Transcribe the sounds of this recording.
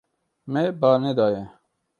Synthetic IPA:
mebɑːned̪ɑːje

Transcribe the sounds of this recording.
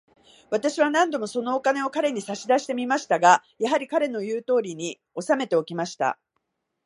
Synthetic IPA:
β̞at̪aɕiβanãnd̪o̞mo̞so̞no̞okane̞o̞kaɾe̞ɲ̟isaɕid̪aɕi̥t̪e̞mʲimaɕi̥t̪aɡajaɦaɾʲikaɾe̞no̞jɯ̟ːt̪o̞ːɾʲiɲ̟i | o̞same̞t̪e̞o̞kʲimaɕi̥t̪a̰

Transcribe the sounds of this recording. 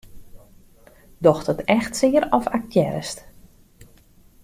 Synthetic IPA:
dɔxtətɛxtsɪːəɾɔfakjɛ̰ɾəst

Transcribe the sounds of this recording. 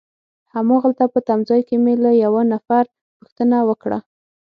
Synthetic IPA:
hamɑɣəlt̪apət̪amzɑjkemeləjawanafaɾ | puxt̪ənawəkɽa̰

